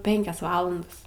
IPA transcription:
ˈpʲɛŋʲkʲɛs ˈʋɑːlˠɐndɐs

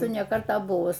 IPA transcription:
ɪr nʲɛ ˈkɐrtɑː ˈbʊʋʊs

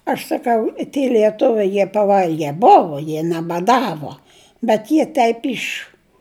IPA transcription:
ɐʃ sɐˈkɐʊ ɪ tʲiɛ lʲiɛˈtʊʋʲɛɪ jiɛ pɐˈʋɐlʲɡʲɛ ˈboːʋoː jiɛ nʲɛbɐˈdɑːʋoː bʲɛt ˈjiɛ ˈtʲɛɪp ˈɪʃ

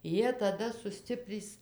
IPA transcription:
ˈjiɛ tɐˈdɐ sʊˈsʲtʲɪpʲrʲiːs

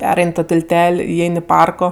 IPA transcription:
ˈpʲæːrɐɪnʲ toː tʲɪlʲˈtʲɛlʲ ɪˈɛɪnʲ ɪ ˈpɐrkoː

